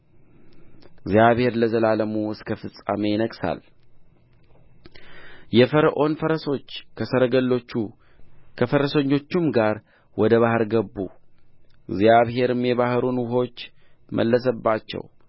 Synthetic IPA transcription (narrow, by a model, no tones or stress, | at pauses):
ɪɡzjaβhe̞ɾləzəlaləmuɨskʰəfɨsʼːa̰me̞jɪnəkʼsa̰l | jɛfəɾəʔo̞nfəɾəso̞t͡ʃːkʰəsəɾəɡəlːo̞t͡ʃːu | kʰəfəɾəsəɲːo̞t͡ʃːumɡaɾ | wɔd̪əβahɨɾɡəbːṵ | ɪɡzijaβɦe̞ɾɨmjɛβahɾunwʊɦo̞t͡ʃːmʔə̰lːəs̬əbːat͡ʃːɛ̰w